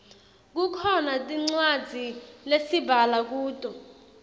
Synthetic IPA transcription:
k̬ukʰɔnatʼiŋ͡ǀwḁd͡zʱilesibʱalak̬uːtʼɔ

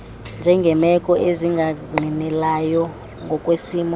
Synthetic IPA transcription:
nd͡ʒʱɛŋɡʱɛmɛkʼɔʔeziŋɡʱaŋ͡ǃʱinɛlajɔ | ŋɡʱɔkʼwesiːmɔ

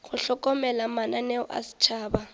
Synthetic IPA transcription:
ɣʊɬɔkʼɔmɛlamananɛɔʔa̰si̥t͡ʃʰaːba

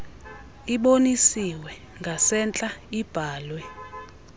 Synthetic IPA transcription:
iɓonisiwɛ | ŋɡʱasɛnt͡ɬʼaib̥ʱaːlwɛ

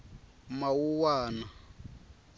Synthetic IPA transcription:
mawuwaːna

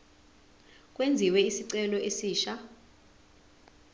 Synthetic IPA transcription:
k̬ʼwend͡zʱiwɛisiǀɛlɔesiːʃa

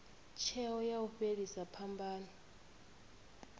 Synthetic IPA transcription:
t͡ʃʰɛɔjauɸeɺisapʰambʱaːnɔ

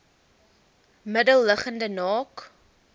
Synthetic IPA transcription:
mədəlˠːəχəndənɑːk

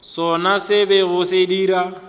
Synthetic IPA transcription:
sɔnasɪbɛɣʊsediːɾa

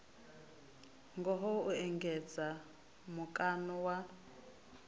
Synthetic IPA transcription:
ŋɡɔɦɔuɛŋɡɛd͡za | mukʼanɔwa

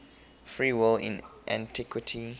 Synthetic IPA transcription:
fɹiwɪlɪ̰̃nʔã̰ntʰikʰwɪtʰi

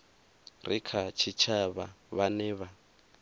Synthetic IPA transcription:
rikʰat͡ʃʰit͡ʃʰaβaβanɛːβa

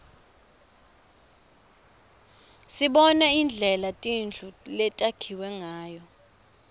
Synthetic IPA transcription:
siɓɔnaind͡ɮʱɛlatʼind͡ɮʱulɛtʼakʰiwɛŋaːjɔ

